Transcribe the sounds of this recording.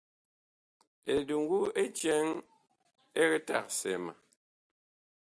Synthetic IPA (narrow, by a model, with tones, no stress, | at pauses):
e˨du˨ŋ˦ɡu˦e˦t͡ʃɛ˦ŋ | e˦kɛ˦ta̰˦˨k̚sɛ̰˨ma̰˨